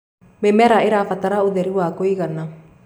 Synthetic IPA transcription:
memɛɾaeɾafataɾaoðɛɾiwaːkoiɣana

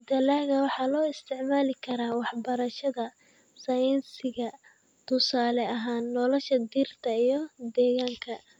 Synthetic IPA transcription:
d̪ɐlaːɣɐwɑħɑːlɔːɪst̪ʰɪʕmaːlɪkʰɐɾaːwɑħbɐɾɐʃɐðɐ | sɐjɪnsɪɣɐ | t̪ʰʊsaːlɛɐɦaːnːɔlɔʃɐd̪irt̪ʰɐijɞd̪ɛːɣaːŋkʰɐ

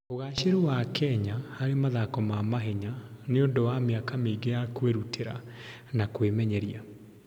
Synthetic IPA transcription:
oɣaɕeɾowakʰɛɲahaɾemaðakɔmamaɦɛɲaneondowameakameiɡejakweɾutʰeɾa̰ | nakwemɛɲɛɾia

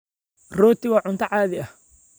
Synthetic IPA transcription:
rɔːt̪ʰɪwɑːʕʊnt̪ʰɐʕaːðɪɐh

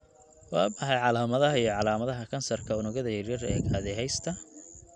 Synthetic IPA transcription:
wɑːbɑħɑjʕɑlaːmɐðɐɦɐijɔʕɑlaːmɐðɐɦɐkʰɐnsɐrkʰɐʊnʊɣɐðɐjɐrjɐrɛ̰ːɣaːðɛjɦɛjst̪ʰɐ

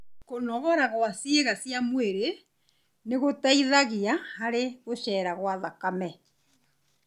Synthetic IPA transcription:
konɔɣɔɾaɣwasjeɣasjamweɾe | neɣotaiðaɣiahaɾeɣoɕɛːɾaɣwaðakamɛ

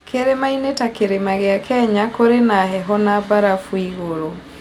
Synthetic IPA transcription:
keɾemainetakeɾemaɣeakʰɛɲakoɾenaɦɛɦɔnabaɾafwiɣoɾo

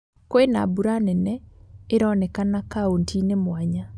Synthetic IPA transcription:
koena̰buɾanɛnɛeɾɔːnɛkanakaontʰinemwaɲa

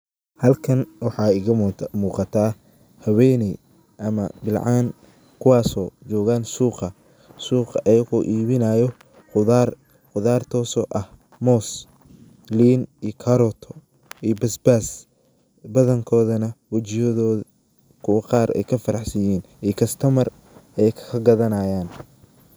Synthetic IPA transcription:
hɐlkʰɐnwɑħɑːɪɣmuːqɑt̪ʰaː | hɐwɛjnɛj | ʔɐmɐbɪlʕɑːn | kʰʊwɑːsɔːt͡ʃɔːɣaːnsuːqɑ | suːqɑʔɛjɐɣɔʔiːβɪnɐːjɔ | ʊr | qʊðaːrt̪ʰɔːsɔʔɐh | mɔːs | liːniːkʰɐɾɔt̪ʰɔ̥ | iːbɐsbaːs | bɐðɐŋkʰɔːðɐnɐwɐt͡ʃɪjɐðɔː | kʰʊwɑqɑːɾɛ̰jkʰɐfɐɾɑħsɐjɛːn | iːkʰɐst̪ʰɐmɐr | ɛjkʰkʰɐɡɐðɐnaːjaːn

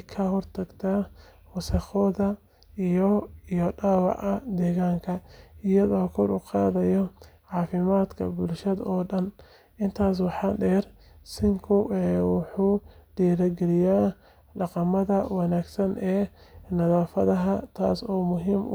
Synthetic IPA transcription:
kʰɐɦɔrt̪ʰɐɡt̪ʰa | wɑsɐxɔːðɐ | ijɔijɔɖɑːwɑ̰ʕɐd̪ɛːɣaːŋkʰɐɪjɐðɔːkʰɔɾuqɑːðɐjɔʕɑːfɪmaːd̪kʰɐ̰bʊlʃɐðɔːɖɐn | ʔɪnt̪ʰaːs̬wɑħɑːɖɛːr | sɪŋkʰʊɛwɑħuːɖɛːɾɐɡɛlɪjaː | ɖɑqɑmɐðɐwɑnaːɡsɐnɛːnɐðaːfɐðɐɦɐt̪ʰa̰ːsɔːmʊɦiːm̰

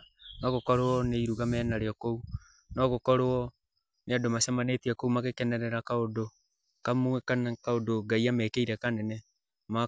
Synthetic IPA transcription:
nɔɣokɔɾoɔneiɾuɣamɛnaɾeɔkou | nɔɣokɔɾowɔ | neadomasamanetiakoumaɣekɛnɛɾɛɾakaodo | kamuɛkanakaodoɡaiamɛːkeiɾɛkanɛnɛ | ma

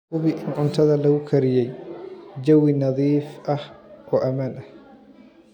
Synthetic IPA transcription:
ʊβɪʔɪnʕʊnt̪ʰɐðɐlɐɣʊkʰɐɾɪjɛjd͡ʒɐwɪnɑðiːfʔɐhʔɔːʔɐmaːnʔɐh

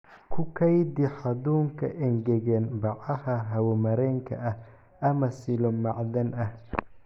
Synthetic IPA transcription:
kʰʊkʰɐjd̪ɪħɑðuːŋkʰɐʔɛŋɡɛɣɛnbɑʕɐhɐɦɐwɔmɐɾɛːŋkʰɐ̰ʔɐh | ʔɐmɐsɪlɔmɑʕdɐnɐh

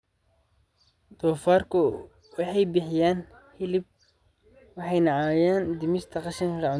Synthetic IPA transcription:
d̪̥ɔːfaːrkʰʊ | wɑħɑjbɪħɪjaːn | hɪlɪb̚ | wɑħɑjnɐʕaːjaːnd̪ɪmɪst̪ʰɐqɑʃɪŋrɑʕʊ

